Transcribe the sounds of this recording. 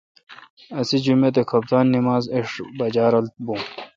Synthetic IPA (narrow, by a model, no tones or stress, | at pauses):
ɐsid͡ʑumet̪̬ekʰɐp̚t̪aːnːimaːzeʂbɐd͡ʑaːɾɐlt̪̚bũ